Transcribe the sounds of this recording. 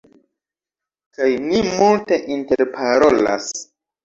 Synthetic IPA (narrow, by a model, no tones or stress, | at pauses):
kajnimulte̞ʔinteɾpʰaɾo̞la̰s